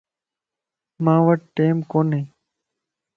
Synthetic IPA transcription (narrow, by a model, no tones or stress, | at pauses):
mãːʋəʈ̚ːeːmkoːnɦẽː